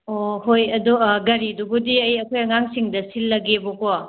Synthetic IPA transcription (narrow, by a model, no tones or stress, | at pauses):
ohojɐduɡɐɾidubudiɐjɐkʰojɐŋaŋsiŋdɐsilːɐɡeboko